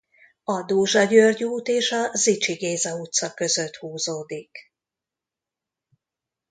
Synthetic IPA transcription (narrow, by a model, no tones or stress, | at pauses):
ɒd̪oːʒɒɟørɟuːt̪eːʃɒzit͡ʃiɡeːzɒut̪sɒkø̞zø̞t̪huːzoːd̪ik